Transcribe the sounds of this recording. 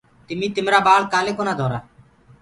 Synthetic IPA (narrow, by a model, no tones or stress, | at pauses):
t̪ɪmĩːt̪ɪmɾaːbaːɭkaːleːkoːnaːd̪ʱoːɾaː